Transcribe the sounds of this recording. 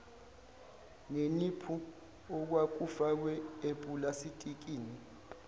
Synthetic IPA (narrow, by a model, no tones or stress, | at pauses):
ŋenipʰu | ɔk̬wak̬ʼufak̬wɛepʼulasitʼik̬ʼiːni